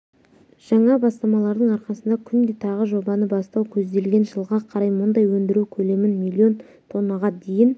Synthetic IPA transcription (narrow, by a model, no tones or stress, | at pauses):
ʒ̥ɑɴɑbɑst̪ɑmɑlˠɑɾd̪əɴɑɾqɑsənd̪ɑkʲʰʏnd̪e̞t̪ʰɑʁəʒo̞bɑnəbɑst̪ɑwkʲʰɵzd̪e̞lɡʲe̞nʒəlˠʁɑqʰɑɾɑjmʊnd̪ɑjwɵnd̪ɪɾukʲʰɵle̞mɪnmʲilʲːio̞n | t̪ʰo̞nːəʁɑd̪e̞jɪn